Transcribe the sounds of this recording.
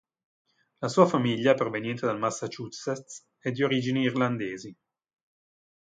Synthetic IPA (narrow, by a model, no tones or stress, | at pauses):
lasuːafamiʎːjapɾovenjɛnt̪ed̪almasːat͡ʃusɛt̪ | ɛd̪ioɾid͡ʒiniːrland̪eːzi